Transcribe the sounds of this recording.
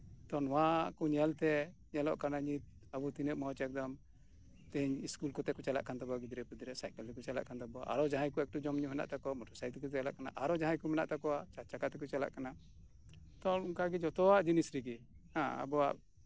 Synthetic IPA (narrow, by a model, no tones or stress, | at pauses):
t̪ɔnwãkuɲɛlt̪ɛɲɛlɔ̰ʔkanaɲit̪̚ | abut̪inɛʔ̚mɔɦɔt͡ʃɛk̚d̪ɔm | t̪ɛɲiskulkɔt̪ɛkɔt͡ʃala̰ʔkant̪abɔaɡid̪ɾɛpud̪iɾɛsajkɛlːɛkut͡ʃala̰ʔkant̪abɔaʔa̰ɾɔd͡ʒaɦajkɔɛk̚ʈud͡ʒɔmɲuɦɛna̰ʔt̪akɔmɔʈʰɔɾsajt̪kɔt̪ɛalaʔkana̰ʔaɾɔd͡ʒaɦajkumɛna̰ʔt̪akɔat͡ʃat͡ʃakat̪ɛk̬ut͡ʃala̰ʔkana | t̪ɔnkaɡid͡ʒɔt̪ɔwaʔd͡ʒinisɾiɡi | hãa̰bɔa̰ʔ